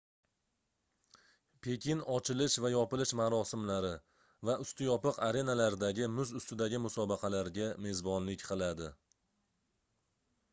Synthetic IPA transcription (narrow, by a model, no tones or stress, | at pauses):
pʰe̞kʲɪnɒt͡ʃʰɪlɪʃvajɒpɪlɪʃmaɾɒsɪmlaɾɪ | vaʔʊst̪ɪjɒpɨqaɾe̞nalaɾd̪aɡʲɪmʊzʊst̪ɪd̪aɡʲɪmʊsɒbɑqʰɑlaɾɡʲame̞zbɒnlɪkʲqʰɨlˠad̪ɪ